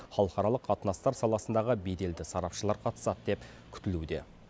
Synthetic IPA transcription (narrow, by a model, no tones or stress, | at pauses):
χɑlˠəχɑɾɑlˠəqːʰɑt̪ənɑst̪ɑɾsɑlˠɑsənd̪ɑʁəbed̪e̞ld̪ɪsɑɾɑpʃəlˠɑɾqʰɑt̪ə̥sɑt̪əd̪e̞p | kʲʰʏ̥t̪ɪlud̪e̞̰